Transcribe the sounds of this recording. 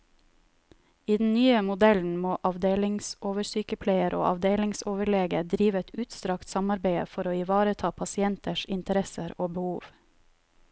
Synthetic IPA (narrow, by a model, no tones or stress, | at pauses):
iːd̪n̩nyːəmʊd̪ɛln̩moːʔɑʋd̪eːlɪŋsʔoːʋəsyːkəpʰleɪəɾʔo̰ːʔɑʋd̪eːlɪŋsoːʋəɭeːɡəd̪ɾiːʋəɛt̪ʉːt̪st̪ɾɑkt̪sɑmɑɾbeɪə̰fɔɾoːiːʋɑːɾət̪ʰɑːpʰɑsɪɛnt̪ʰəʃɪnt̪əɾɛsəɾoːbəhuːʋ